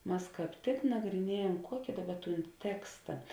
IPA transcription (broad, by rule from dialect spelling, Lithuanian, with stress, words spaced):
ˈmɐs ˈkɑːp tʲɪk nɐɡrʲɪˈnʲiɛjɛm ˈkuɔkʲɪ ˈdɑːˌbɐ ˈtuːn ˈtʲæːkstɐ